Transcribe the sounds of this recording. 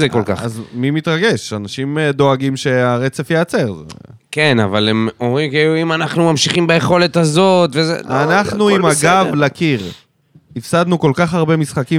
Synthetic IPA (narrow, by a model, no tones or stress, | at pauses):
zekolka̰χazmimit̪ʁaɡe̞ʃanaʃimd̪o̞aɡimʃe̞aʁe̞t͡se̞fjeat͡se̞ʁzekena̰valemo̞mʁimkeuimanaχnumamʃiχimbajeχo̞let̪azo̞t̪vezḛanaχnuimaɡavlakiʁ | ifsad̪nuko̞lkaχhaʁbemisχaki